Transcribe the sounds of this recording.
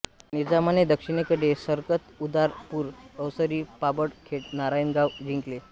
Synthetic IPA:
nid͡zamaned̪əkʂiɳ̃ekəɽesəɾkət̪ud̪aɾpuːɾəwsəɾiːpabəɽkʰeʈnaɾajənɡaʋd͡ʑʱiŋkle

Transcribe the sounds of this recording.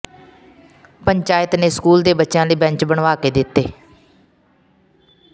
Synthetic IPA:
pəɲt͡ʃaːjɪt̪neːskuːld̪eːbətːʃjãːləiːbɛ̃ɲt͡ʃbəɳʋaːkeːd̪ɪt̪ːeː

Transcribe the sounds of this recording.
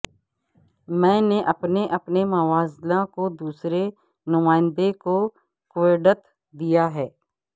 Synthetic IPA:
mɛ̃ːneʔɐpneʔɐpnemɐʋaːzlãkod̪uːsɾe | nʊmaːɪ̃nd̪eko | kwɪɖət̪ | d̪ijaɦɛː

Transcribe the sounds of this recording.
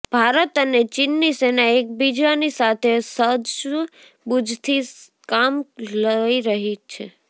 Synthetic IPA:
b̥ʱaɾət̪ənet͡ʃinːisenaek̚bid͡ʒanisat̪ʰesəd̪ʃ | bud͡ʒt̪ʰi | kamləiɾəɦit͡ʃʰe

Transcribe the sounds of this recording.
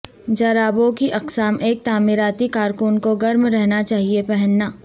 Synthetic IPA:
d͡ʒɐɾaːbõkiʔɐqsaːmʔeːk̚t̪aːmɪɾaːt̪ikaːɾkʊnkoɡɐɾmɾɛɦnat͡ʃaːɦiepɛɦɛnːaː

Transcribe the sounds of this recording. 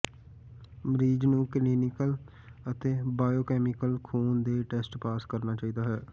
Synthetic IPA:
mɾiːd͡ʒnũːkliːnɪkəl | ət̪eːbaːjoːkɛːmɪkəlkʰuːnd̪eːʈeːsʈpaːskəɾnaːt͡ʃaːiːd̪aːɦɛː

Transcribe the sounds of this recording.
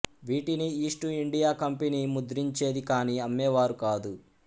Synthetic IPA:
ʋiːʈiniiːsʈuiɳɖijaːkɐmpenimud̪ɾiɲt͡ʃe̞ːd̪ikaːniːɐmːɛːʋaːɾukaːd̪u

